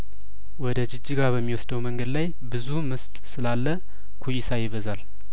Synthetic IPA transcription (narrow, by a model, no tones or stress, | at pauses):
wɔd̪əd͡ʒɪd͡ʒːiɡaɾbəmːiwɔsd̪əwməŋɡəd̪laj | bɨzumɨst̪ʼsɨlalːə | kʰujisʰajɪβəzal